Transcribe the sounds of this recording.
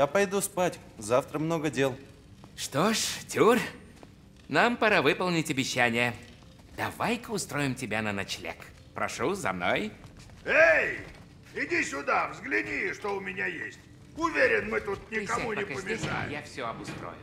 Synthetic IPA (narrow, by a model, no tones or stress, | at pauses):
japɐjd̪uspatʲ | zaft̪ɾəmnoɡədʲelˠ | ʂt̪oʂtʲur | nampɐɾavɨpəlˠnʲɪtʲɐbʲɪɕːænʲɪjə | d̪̥ɐvajkəʊst̪ɾojɪmtʲɪbʲanənɐt͡ɕlʲḛk | pɾɐ̰ʂuzɐ̰mno̰j | ej | ɪdʲisʲʊd̪avzɡlʲɪdʲiʂt̪oʊmʲɪnʲajesʲtʲ | ʊvʲeɾʲɪnmɨt̪ut̪̚nʲɪkɐmunʲɪkɐpəmʲiʂa̰jɪ̰jafsʲoɐbʊst̪ɾo̰jʊ̰